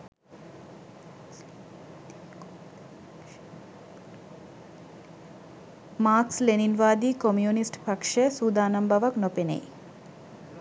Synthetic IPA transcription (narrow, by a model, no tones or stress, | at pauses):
maːksleninʋaːd̪iːkomjuːnisʈpakʂesuːd̪aːnambaʋaknopenḛj